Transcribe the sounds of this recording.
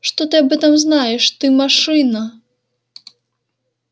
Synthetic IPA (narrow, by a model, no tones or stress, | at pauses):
ʂt̪ɔt̪ɨabɛt̪ɐmznajɛʂt̪ɨmaʂɨnɐ